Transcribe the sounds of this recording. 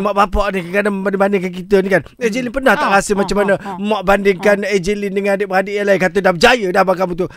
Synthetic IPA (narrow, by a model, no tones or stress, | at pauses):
maʔbapaʔnikəkanaməmbandɪŋbandɪŋkankit̪ənikan | ɛd͡ʒelinpərnaht̪aʔɾasəmat͡ʃamːanə̃maʔbandɪŋkaned͡ʒelindəŋanadəʔbəadəʔjalainkat̪odahbəd͡ʒajədahbakamũt̪u